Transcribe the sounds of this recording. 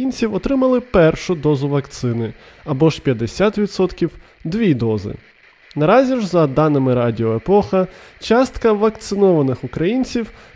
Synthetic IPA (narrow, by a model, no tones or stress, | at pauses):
inʲt͡sʲiwɔt̪ɾɪmɐlˠɪpɛrʃʊd̪ɔzʊʋɐkt̪sɪnɪɐbɔʃpʲjɐd̪esʲat̪ʋʲid̪sɔt̪kʲiw | d̪ʋʲid̪ɔzɪ̰ | nɐɾɑzʲiʒzɐd̪ɑnɪmɪɾɑdʲiɔepɔxɐt͡ʃɑst̪kɐʋɐk̚t̪sɪnɔʋɐnɪxʊkɾɐjinʲt͡sʲiw